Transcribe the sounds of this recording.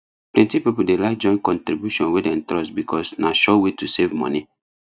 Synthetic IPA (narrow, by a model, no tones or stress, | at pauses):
plɛ̃ntipipudelak̚d͡ʒɔ̃ɪ̃nkɔ̃ntɾibjuʃɔ̃nwedɛ̃ntɾɔsbikʰɔsnaʃɔwetusevmɔ̰̃ni